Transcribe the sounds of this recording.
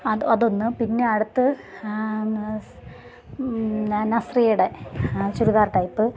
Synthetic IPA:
ɐɐðo̞nːɨpinːe̞ɐɽut̪ːɨ | nɐsrijuɽe̞t͡ɕuɾuðaːrʈɐjpːɨ

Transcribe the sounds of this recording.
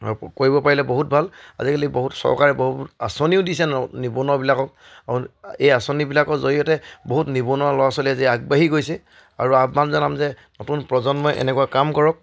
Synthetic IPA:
akoɹibɔpaɹilɛboɦut̚bʱala̰zikaliboɦutsɔ̰ɹkaɹɛboɦuasoniʊdisɛnnibunɔbilakɔk̚ | auejasonibilakɔzoɹijɔtɛboɦutnibunɔlɔwasɔliaziaɡ̚baɦiɡojsɛ | a̰ɹuamanzɔnamzɛ | nɔtunpɹɔzɔnmɔjʔɛ̰nɛkuwakamkɔɹɔk̚

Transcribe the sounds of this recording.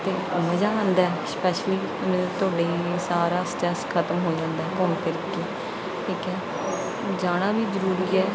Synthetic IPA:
t̪eːoːməd͡ʒaːãːnd̪aːɛspɛːʃliː | nẽt̪ʊaːɽeːisaːɾaːsʈɾɛːskʰət̪əmɦoːd͡ʒãːnd̪aɛːkɔmkəɾkiː | kiːkɛː | d͡ʒaːɽ̃ãːbiːzəɾuːɾiːɛː

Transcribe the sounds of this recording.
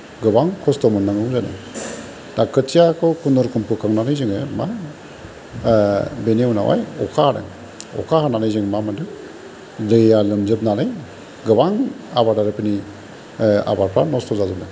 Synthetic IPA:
ɡɯbaŋkʰɔstɔmɯnːaŋɯwzanɯ̰ | dakʰɯtijakʰɯkʰundɔɾkʰɯmpʰɯkʰaŋnanɯjzɯŋema | beneuna̰wa̰jɔkʰaaɾɯ̰ŋ | ɔ̰kʰahananɯjzɯŋmamanɯŋ | ɾɯjalɯmzɯb̚nanɯj | ɡɯbaŋabaɾdaɾɯpʰini | a̰baɾpʰɾanɔstɔzazɯmnɯ

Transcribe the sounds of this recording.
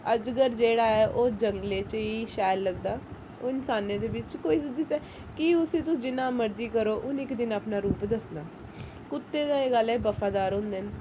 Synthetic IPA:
əd͡ʒɡəɾd͡ʒeːɽaːɛːʔoːd͡ʒəŋɡleːt͡ʃiːʃɛːlːəɡd̪aː | oːɪnsaːnẽːd̪eːʋɪt͡ʃkoːiːsəd̪isɛː | kiʊsĩːt̪̬ʊsd͡ʒɪnãːməɾd͡ʒiːkəɾoːʔʊnɪkd̪ɪnaːpnaːɾuːpd̪əsnaː | kʊt̪ːeːd̪aːeːɡəlːɛːbəfʰaːd̪aːɾɦʊ̃ːnd̪eːn

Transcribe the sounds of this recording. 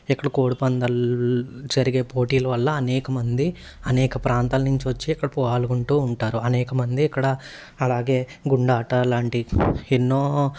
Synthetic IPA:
ikːɐɽɐkoːɽupɐnd̪ɐl | d͡ʒɐɾiɡe̞ːpoːʈiːlɐʋɐlːɐːnɛːkɐmɐnd̪i | ɐnɛːkɐpɾaːnt̪aːlɐnuɲt͡ʃiʋɐt͡ʃːiːkːɐɽɐpɔːaːluɡuɳʈuːɳʈaːɾuɐnɛːkɐmɐnd̪iːkːɐɽɐ | ɐlaːɡe̞ːɡuɳɖaːʈɐlaːɳʈienːoː

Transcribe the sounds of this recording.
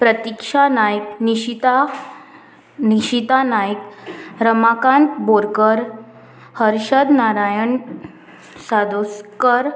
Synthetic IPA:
pɾət̪ikʂanajkniɕit̪a | niɕit̪anajkɾəmakãnt̪boɾkəɾ | həɾɕəd̪naɾajəɳ | sad̪oskəɾ

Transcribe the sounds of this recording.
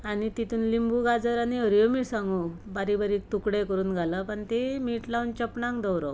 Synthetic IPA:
anit̪it̪ʰuːnlimbuɡad͡zəɾaniɦəɾjomisãŋɡubaɾibaɾiːk̚t̪ukɽekəɾuːnɡʱaləpəɳt̪emiʈlaunt͡ɕəpnãŋkd̪əwɾə̰

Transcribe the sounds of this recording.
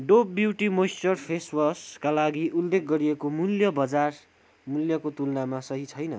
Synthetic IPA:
ɖopːjiwʈimosʈʌrpʰeswʌskalaɡiʔulːek̚ɡʌɾiekomuljʌbʌd͡zar | muljʌkot̪ulnamasʌɦit͡sʰʌjnʌ

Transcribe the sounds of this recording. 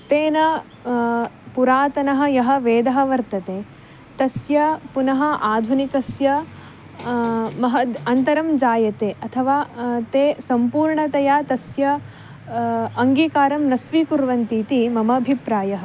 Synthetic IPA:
t̪eːnɐ | puɾaːt̪ɐnɐɦɐ̆jɐɦɐ̆ʋeːd̪ɐɦɐʋɐɾt̪ɐt̪eː | t̪ɐsjɐpunɐɦɐ̆ʔaːd̪ʱunikɐsjɐ | mɐɦɐɐnt̪ɐɾɐmd͡ʒaːjɐt̪eːʔɐt̪ʰɐʋaːt̪eːsɐmpuːɾɳɐt̪ɐjaːt̪ɐsjɐ | ɐŋɡiːkaːɾɐmnɐsʋiːkuɾʋɐnt̪iːt̪imɐmɐːbʱipɾaːjɐɦɐ̆

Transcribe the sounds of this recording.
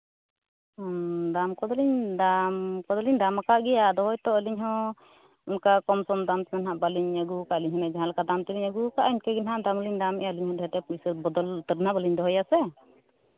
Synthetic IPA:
d̪amkɔd̪ɔliɲd̪amkɔd̪ɔliɲd̪amakaʔɡɛjad̪ɔɦɔjt̪ɔəliɲɦɔ̃ | unkakɔmsɔmd̪amt̪ɛmɛnɦaʔbaliɲaɡukaʔəliɲɦɔnad͡ʒaɦãlkad̪amt̪əliɲaɡukaʔiɲkɛɡɛnɦaʔd̪amliɲd̪amɛʔaəliɲhɔd̪ɛɦɛt̪ɛpisbɔd̪ɔlt̪ədnabaliɲd̪ɔɦɔjasɛ

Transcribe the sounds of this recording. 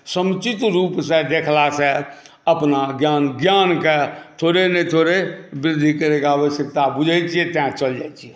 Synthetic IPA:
səmt͡ʃɪt̪ɾuːpsɛd̪eːkʰlasɛ | əpnaɡjaːnɡjaːnket̪ʰoːɾenet̪ʰoːɾebɾɪd̪ʱikəɾekaaʋəʃjək̚t̪abʊd͡ʒʱəɪt͡ʃiɛt̪ãt͡ʃəld͡ʒaːit͡ʃʰiɛ

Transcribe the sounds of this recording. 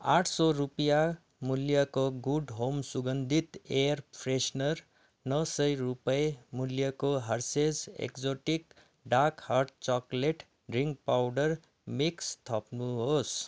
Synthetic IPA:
a̰ʈʰsɔɾupja | muljʌkoɡuɖɦomsuɡʌnd̪ʱit̪eɾpʰɾesnʌɾ | nʌsʌjɾupʌjmuljʌkoɦʌɾsesḛkd͡zoʈik | ɖakhaɾʈ̚t͡sɔkleʈ | riŋɡpawɖʌr | mikst̪ʰʌpnuɦos

